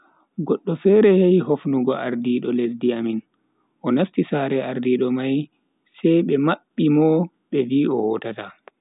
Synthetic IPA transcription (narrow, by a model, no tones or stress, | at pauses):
ɡɔɗːɔfɛɾɛhejɦofnuɡɔʔaɾdiːɗɔlesdiamin | ʔɔnastisaːɾɛaɾdiɗɔmaj | sɛjɓɛmaɓːimɔ | ɓɛviːɔwɔtata